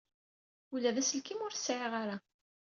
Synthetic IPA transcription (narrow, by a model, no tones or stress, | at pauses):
ulːæðæsəlkimʊɾθsːʕeʁaɾa